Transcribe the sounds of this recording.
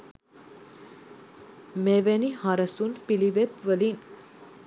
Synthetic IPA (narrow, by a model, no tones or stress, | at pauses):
meʋenihaɾəsunpiliʋet̪ʋəlin